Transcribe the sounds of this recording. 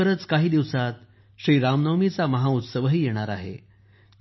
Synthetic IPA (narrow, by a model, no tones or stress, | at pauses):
əɾət͡skaɦiːd̪iʋsat̪ | ɕɾiːɾamnəmit͡saməɦaut̪səʋɦiːjeɽ̃aɾaɦḛ